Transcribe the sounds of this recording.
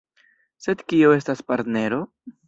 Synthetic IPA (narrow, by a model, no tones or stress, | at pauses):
se̞d̪kioe̞staspaɾt̪ne̞ɾo̞